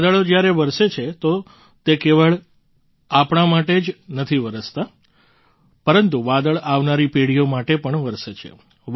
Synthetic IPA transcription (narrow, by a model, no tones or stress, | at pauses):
d̪əɭod͡ʒjaɾeʋəɾʃet͡ʃʰet̪o | t̪ekeʋəɭ | apɳ̃amaʈed͡ʒnət̪ʰiʋəɾəst̪a | pəɾənt̪uʋad̪əɭaʋnaɾipeɽijomaʈepəɳʋəɾʃet͡ʃʰḛ